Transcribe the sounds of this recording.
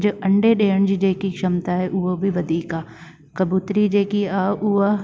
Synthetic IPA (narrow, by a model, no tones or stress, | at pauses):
d͡ʑɐ̃ɳɖeɗeːəɽ̃d͡ʑiːd͡ʑeːkikʃɐmt̪aːɦeʔʊɦobɪʋɐd̪ʱiːkaː | kɐbuːt̪ɾid͡ʑeːkiaːʊɦo